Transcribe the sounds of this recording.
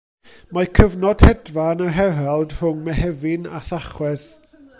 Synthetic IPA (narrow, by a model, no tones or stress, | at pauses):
makʰəvnɔd̥hɛdvanaɦɛvɛlˠd̥r̥ʊŋmɛhɛvɪnaθaχwɛð